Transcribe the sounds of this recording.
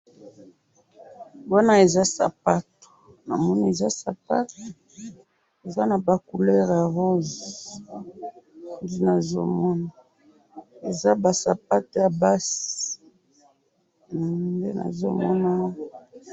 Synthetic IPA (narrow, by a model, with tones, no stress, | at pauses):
bwa˦na˦e˨za˦sa̰˨pa˦to̥˨ | na̰˨mɔ˦ni˦e˨za˦sa˨pa˦to˨ | e˨za˦na˨ba˨ku˨lɛ˦ʁja˨ʁo˦z | nde˦na˨zo̰˦mɔ˦na˨ | e˨za˦ba˨sa˨p̚a˦to˨ja˨ba˦si̥˨ | nde˦na̰˨zo˦mɔ˦na˦